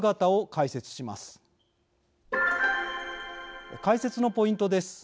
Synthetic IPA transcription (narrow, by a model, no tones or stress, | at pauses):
ɡat̪ao̞kaise̞t͡sɨ̥ɕima̰sɨ̥ | kaise̞t͡sɨno̞po̞ĩnt̪o̞d̪e̞sɨ̥